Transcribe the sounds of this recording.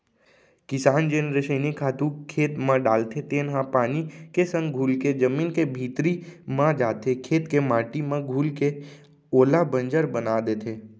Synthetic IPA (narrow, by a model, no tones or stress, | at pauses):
kɪsaːnd͡ʒenɾeʃənikʰaːt̪ũkʰeːt̪mãɖaːlt̪ʰet̪eːnɦãpaːnikesə̃ŋɡɡʱuːlked͡ʒəmiːnkebʱiːt̪ɾimãd͡ʒaːt̪ekʰeːt̪kemaːʈimẽɡʱuːlke | oːlabə̃nd͡ʒəɾbənaːd̪eːt̪ʰeː